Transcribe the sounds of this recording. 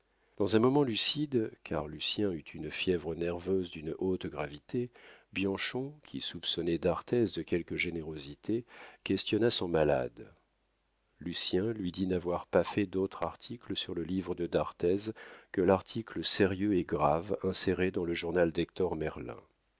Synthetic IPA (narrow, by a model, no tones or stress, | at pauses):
d̪̥ɑ̃zɛ̃mɔmɑ̃lysid̪kʰa̰ʁlysjɛ̃yt̪ʰynfjɛvʁənɛʁvøzd̪ynʔot̪ɡʁavit̪ʰebjɑ̃ʃɔ̃kʲʰḭsupsɔnɛd̪aʁt̪ɛzd̪əkʲɛlkəʒeneʁozit̪ekʲɛst̪jɔnasɔ̃mala̰d̪ | lysjɛ̃lɥid̪inavwaʁpafɛd̪ot̪χaʁt̪ʰikləsyʁləlivʁəd̪əd̪aʁt̪ɛzkəlaʁt̪ʰikləseʁjøeɡʁavɛ̃seʁed̪ɑ̃ləʒuʁnald̪ɛk̚t̪ɔʁmɛʁlɛ̰̃